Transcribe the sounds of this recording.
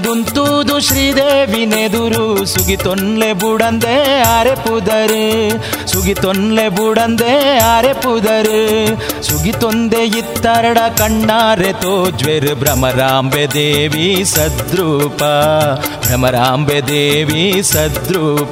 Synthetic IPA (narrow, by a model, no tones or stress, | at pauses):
d̪unt̪ud̪uʃɾiːd̪eːʋined̪uɾusuɡit̪onlebuɽɐnd̪eaːɾepud̪ɐɾ | suɡit̪onlebuɽɐnd̪eaːɾepud̪ɐɾisuɡit̪ond̪eit̪ːɐɾɐɽɐkɐɳːaːɾet̪od͡ʒʋeɾbɾɐmɐɾaːmbed̪eːʋisɐd̪ɾuːpɐbɾɐmɐɾaːmbed̪eːʋisɐd̪ɾuːp